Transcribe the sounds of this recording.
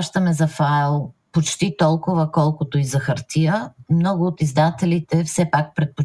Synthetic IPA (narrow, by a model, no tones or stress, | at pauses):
ʃt̪əmɛzɐfajlˠpot͡ʃt̪it̪ɔlˠkʊvəkɔlˠkʊt̪oizɐxɐɾt̪iəmnɔɡʊːt̪izd̪at̪ɛlit̪ɛfsɛpak̚pɾɛt̪̚po